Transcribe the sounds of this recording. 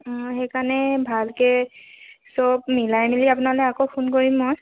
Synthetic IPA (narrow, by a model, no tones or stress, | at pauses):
ɔ̃xekanɛbʱalkɛ | sɔbmilajmiliapʊnalɛjakopʰunkoɹimːoj